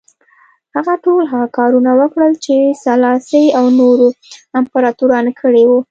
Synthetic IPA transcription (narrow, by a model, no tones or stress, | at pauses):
haɣaʈolɦaɣakɑɾunawəkɽəlt͡ʃesalɑsəjawnoɾoɪmpaɾɑt̪uɾɑnkʰəɽewu